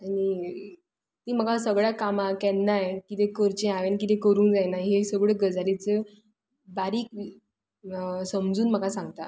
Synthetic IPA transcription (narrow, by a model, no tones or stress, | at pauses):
aɽ̃i | t̪iːm̤əɡasəɡɭjakamakɛnnajekit̪ekəɾt͡ɕẽaʋenkit̪ẽkəɾuːnd͡zajnaɦesəɡɭeɡəd͡zalit͡se | baɾiːk | səmd͡zuːnm̤əɡasãŋɡt̪a̰